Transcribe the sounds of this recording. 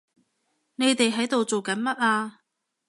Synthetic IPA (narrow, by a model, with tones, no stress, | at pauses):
ne˨˧jt̪e˨jɦɐ˨˥jt̪o˨wt͡so˨wkɐ˨˥nmɐ˥t̚ʔaː˧